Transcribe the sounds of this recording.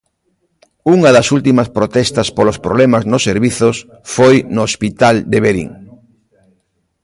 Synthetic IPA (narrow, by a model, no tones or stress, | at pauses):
uŋɐðɐsult̪imɐspɾot̪ɛst̪ɐspolospɾoβlɛmaznʊsːeɾβiθos | fojnoospit̪ald̪eβeɾḭŋ